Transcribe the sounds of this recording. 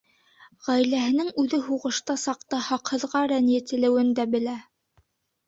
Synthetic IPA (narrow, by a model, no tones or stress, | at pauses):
ʁæjlæɦɘ̆nɘŋʉðɘɦuʁɤ̆ʃt̪ɑsɑqt̪ɑhɑqhɤ̆ðʁɑɾænjæt̪ɘ̆lɘ̆wɘnd̪æbɘ̆læ